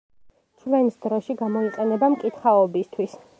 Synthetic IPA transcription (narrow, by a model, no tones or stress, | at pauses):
t͡ʃʰvɛnsd̪ɾɔʃiɡamɔiqʼɛnɛbamkʼit̪χaɔbist̪ʰwis